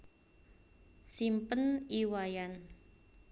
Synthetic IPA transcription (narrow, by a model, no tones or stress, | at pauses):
simpəniwajan